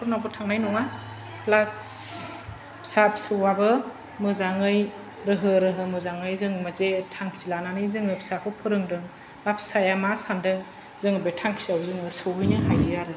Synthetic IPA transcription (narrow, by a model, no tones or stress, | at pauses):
kʰuɾnabutʰaŋnajnɔŋa | plas | pʰi̥sapʰi̥sɯwabɯ | mɯzaŋɯj | ɾɯɦɯɾɯɦɯmɯzaŋɯjzɯŋmazetʰaŋkʰi̥zilananɯjzɯŋɯpʰi̥sakʰɯpʰɯɾɯŋdɯŋ | apʰsajamasandɯ | zɯŋɯbetʰaŋkʰi̥zawzɯŋɯsɯwɯjnɯɦajɯjaɾɯ